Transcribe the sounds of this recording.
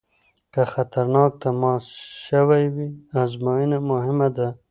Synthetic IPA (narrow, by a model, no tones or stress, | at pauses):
kaxat̪aɾnɑk̚t̪amɑsʃawajwiazmojinamʊhɪmad̪a